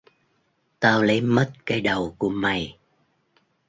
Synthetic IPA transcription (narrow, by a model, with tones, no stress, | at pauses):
t̪aː˧wlə˨˦jmə˦˥t̚kaː˨˦jɗə˨˩wku˧˩əma˨˩j